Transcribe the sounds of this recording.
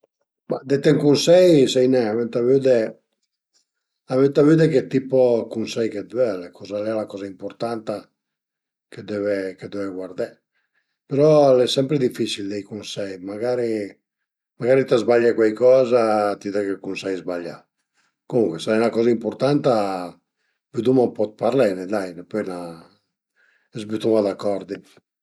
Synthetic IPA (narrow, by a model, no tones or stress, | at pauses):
ma̰d̪et̪ɛŋkunsɛjsɛjnɛamɛnt̪avyd̪ɛ | amɛnt̪avyd̪eket̪ipokunsɛjked̪ɛlɛkʰɔzalɛlakɔːzaimpoɾt̪ant̪a | ked̪ɛveked̪ɛveɡward̪ɛ | peɾɔlɛsɛmpɾed̪ifisild̪ejkunsɛjmaɡaɾi | maɡaːɾit̪azbaʎːakwɛjkɔːzat̪iðɛkekunsajzbaʎːa̰ | komuŋkwɛsaɛjnakɔːzaimpoɾt̪ant̪a | byt̪̬umampɔt̪̚paɾlɛnɛd̪ajnepɛna | ɛzbyt̪umad̪akːɔɾd̪i